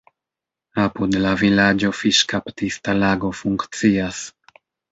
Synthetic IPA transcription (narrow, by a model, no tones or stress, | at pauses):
apud̪lavilad͡ʒofiʃkapt̪ist̪alaɡofuŋkt̪t͡sias